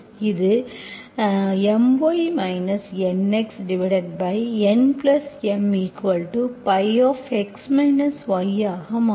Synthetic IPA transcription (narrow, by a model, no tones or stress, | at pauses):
ɪðɯ | ɛmʋoːjmɐɪnɐsɛneksɖɪʋɪɽɐʈ̚bɐɪɛnplɐsɛmiːkʋɐlʈupɐɪɔːfɛksmɐɪnɐsʋɐɪaːɣɐma